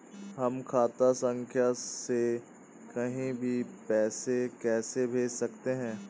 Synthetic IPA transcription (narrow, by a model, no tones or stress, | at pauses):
ɦɐmkʰaːt̪asə̃ŋkʰjase | kɐɦĩbʱipɛːsekɛːsebʱeːd͡ʒsɐkt̪eɦɛ̃ː